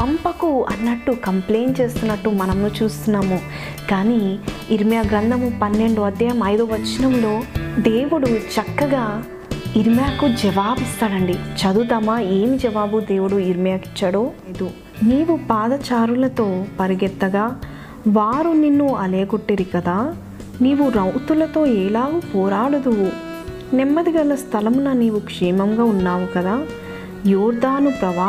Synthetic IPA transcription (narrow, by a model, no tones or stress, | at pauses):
pɐmpɐkuɐ̰nːɐʈːukɐmple̞ːnt͡ʃe̞ːst̪unːɐʈːumɐnɐmnut͡ʃuːst̪unːaːmu | kaːniːɾmijaːɡɾɐnd̪ʱɐmupɐnːe̞ɳɖuɐd̪jɐjɐmɐjd̪o̞ːʋɐt͡ʃːinɐmlo̞ːd̪e̞ːʋuɽut͡ʃɐkːɐɡaː | iɾmjaːkud͡ʒɐʋaːbist̪aːɽɐɳɖit͡ʃɐd̪ut̪aːmaeːmid͡ʒɐʋaːbud̪e̞ːʋuɽuiɾmijaːki̥t͡ʃːɐɽoːɐjd̪u | niːʋupaːd̪ɐt͡ʃaːɾulɐt̪o̞ːpɐɾiɡɛt̪ːɐɡaː | ʋaːɾuninːuɐleːɡoʈːeɾikɐd̪aː | niːʋuɾɐwt̪ulɐt̪o̞ːɛːlaːɡupɔːɾaːɽud̪u | nɛmːɐd̪iɡɐlːɐst̪ʰɐlɐmunɐniːʋukʂɛːmɐmɡaːunːaːʋukɐd̪aː | juːɾd̪aːnupɾɐʋaː